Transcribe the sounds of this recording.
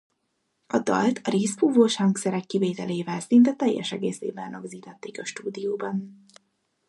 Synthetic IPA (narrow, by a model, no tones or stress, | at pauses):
ɒd̪ɒ̰lt̪ʰɒɾeːspuːvoːʃhɒŋksɛɾɛkːiveːt̪ɛleːvɛlsint̪ɛt̪ɛjːɛ̰ʃɛɡḛːsḛːbɛrnoɡziːt̪ɛt̪ːeːkɒʃt̪uːd̪ijoːbɒn